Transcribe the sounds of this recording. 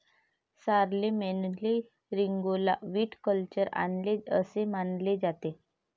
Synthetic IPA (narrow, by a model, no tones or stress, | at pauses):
saɾlemenli | ɾiŋɡola̰ʋiːʈkəlt͡ɕəɾa̰nleəsemanled͡zat̪e